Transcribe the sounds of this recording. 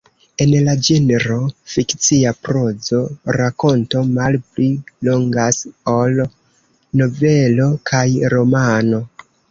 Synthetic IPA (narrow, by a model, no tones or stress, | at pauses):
e̞nlad͡ʒeneɾofikt͡siapɾo̞d͡zo̞ɾako̞nto̞malplilo̞ŋɡasol | no̞ve̞lo̞kʰajɾo̞mano̞